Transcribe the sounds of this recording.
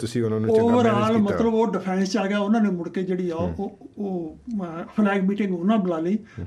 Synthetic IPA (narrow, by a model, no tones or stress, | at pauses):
t̪ʊsĩːʊnãːnũoːʋəɾaːlmət̪ləboːɖɪpʰɛ̃ːnst͡ʃaːɡaːʊnãːneːmʊɽkeːd͡ʒeːɽiːɛːoːoː | pʰlɛːɡmiːʈɪ̃ŋɡʊnãːbəlaːliː